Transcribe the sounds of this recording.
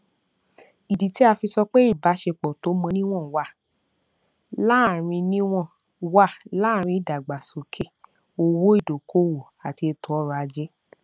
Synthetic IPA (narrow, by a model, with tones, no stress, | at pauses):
i˨di˨ti˨˦a˧fi˧sɔ˧k͡pe˦i˦˨ba˨˦ʃe˧k͡pɔ˨to˨˦mɔ̃˧nĩ˦w̃ɔ̃˦˨wa˦˨ | la˦˨ɾ̃ĩ˧nĩ˦w̃ɔ̃˦˨ | wa˦˨la˦˨ɾ̃ĩ˧˦i˨da˨ɡ͡ba˨so˨kʰe˦˨ | o˧wo˦i˦˨do˨ko˦wo˨ | a˨ti˧e˧to˨˦ɔ˦ɾɔ˧a˧d͡ʒɛ˦